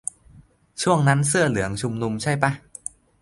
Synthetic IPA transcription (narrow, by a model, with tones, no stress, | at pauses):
t͡ɕʰu˥˩əŋna˦˥nsɯ˥˩ɐlɯ˩˦əŋt͡ɕʰu˧mnu˧mt͡ɕʰa˥˩jpa˦˥˩